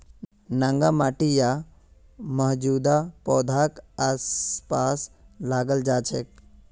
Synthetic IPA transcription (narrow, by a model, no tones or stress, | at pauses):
naŋɡamaːʈija | məɦd͡ʒuːd̪apɔːd̪ʱakaːspaːslaːɡəld͡ʒaːt͡ʃʰek